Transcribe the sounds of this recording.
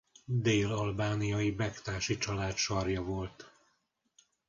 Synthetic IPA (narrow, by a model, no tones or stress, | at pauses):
d̪eːlɒlbaːnijɒibɛkt̪aːʃit͡ʃɒlaːt̪ʃɒrjɒvo̞lt̪